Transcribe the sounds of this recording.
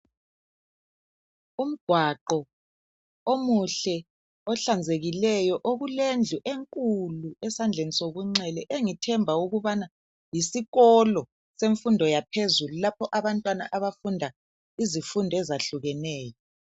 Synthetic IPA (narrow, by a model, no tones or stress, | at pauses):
um̩ɡ̥ʱwaǃɔ | omuɬɛ | ɔɬand͡zʱeɣilɛjɔʔoɣulend͡ɮʱuʔeŋkʼuluɛsand͡ɮʱenisoɣuŋ͡ǀɛlɛʔeŋitʰɛmbʱauɣuβana | jisiɣɔlɔ | seɱfundʱɔjapʰezululapʰɔʔaβantʼwana̰ʔaβafundʱa | izifundʱɔɛzaɬuɣɛnɛːjɔ